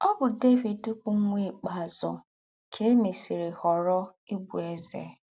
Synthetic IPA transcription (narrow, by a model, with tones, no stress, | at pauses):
ɔ˦bʊ˨de˦vi˨dtʊ˦pʊ˨ŋ̩˦ŋʷe˦˨k͡pa˨zʊ̰˨ | kʰe˦e˦me˨si˨ɾe˨hɔ˨ɾɔ˦i˦bu˨e˦zḛ˨